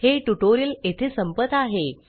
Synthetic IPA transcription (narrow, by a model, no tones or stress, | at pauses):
heʈuʈoɾiəlet̪ʰesəmpət̪aɦe